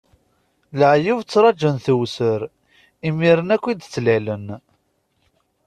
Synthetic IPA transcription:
ləʕjivt͡sːɾˤɑd͡ʒənθəwsəɾ | imiɾənækʷːid̪t͡sːlælən

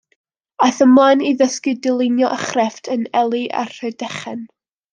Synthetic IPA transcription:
ajθəmlˠaniðəskɨdɪlˠɪnjɔʔəχrɛftʰənɛlˠiʔa̰r̥ədɛχɛn

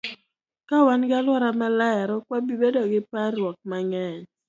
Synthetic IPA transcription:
kawanɡɪalwɔɾamɛlɛɾɔkwabibedoɡɪparwɔk̚maŋɛɲ

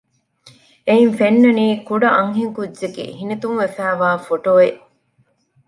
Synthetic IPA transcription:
einfenːɐniːkuɖɐʔɐŋɦeŋkudːd͡ʒekḛɦinet̪umʋefæːʋaːfoʈoːeʔ

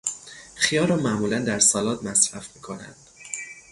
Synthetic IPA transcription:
χijɒːɾɒːmæʔmuːlænd̪æɾsɒːlɒːt̪mæsɾæfmiːkʰo̞næ̰nd̪̥

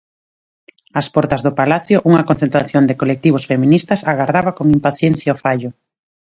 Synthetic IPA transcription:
aspɔɾt̪ɐzðʊpalaθjʊʔuŋɐkon̟θẽnt̪ɾaθjond̪ɪkolek̚t̪iβ̞osfemĩnist̪ɐsaɣaɾðaβakoŋimpaθjen̟θjaofaʎʊ

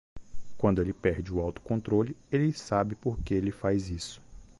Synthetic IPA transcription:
kwɐ̃nd̪ʊelɪpɛɾd͡ʒɪʊawt̪ʊ̥kõnt̪ɾolɪelɪsabɪpoɾkeelɪfajzisʊ̥

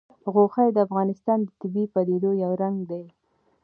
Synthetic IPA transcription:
ɣoxajd̪əafɣɑnɪst̪ɑnd̪ət̪ɪbipad̪ed̪ojawɾaŋɡd̪aj

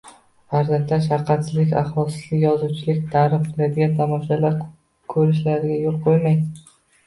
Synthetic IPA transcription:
haɾzamʲt̪ʰaʃ̬aɾqʰɑt̪sɪzlɪkʲa̰χvɒlˠsɪzlɪkʲjɒzuwt͡ʃʰɪlɪkʲt̪ʰaɾɪfqʰɨlad̪ɪɡʲant̪ʰamɒʃalaɾ | kʰɵɾɪʃlaɾɪɡʲajolˠqʰojmaj

